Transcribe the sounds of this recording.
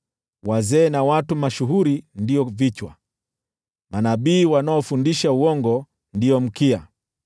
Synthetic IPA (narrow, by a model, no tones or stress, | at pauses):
wazɛːnawatumaʃuɦuɾindiɔvit͡ʃwa̰ | manaɓiːwanaɔfundiʃauɔŋɡɔ | ndiɔm̩kia̰